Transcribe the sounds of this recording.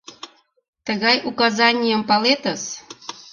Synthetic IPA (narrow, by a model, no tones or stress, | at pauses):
t̪əɣɑjukɑzɑnʲijəmpɑlet̪əs